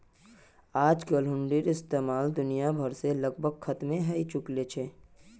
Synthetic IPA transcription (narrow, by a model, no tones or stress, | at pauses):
aːd͡ʒkəlɦʊ̃ɳɖiɾɪst̪eːmaːld̪ʊnijabʱəɾseləɡbʱəɡ̚xʰɐt̪mẽɦəit͡ʃʊklet͡ʃʰeː